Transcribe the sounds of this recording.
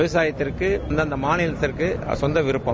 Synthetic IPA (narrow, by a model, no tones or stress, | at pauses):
ʋɐsaːjɐt̪ːɪrkːɯɐnd̪ɯɐnd̪ɐmaːnɪlɐt̪ːɪrkɯ̰sɔnd̪ɐʋɪɾɯpːɐ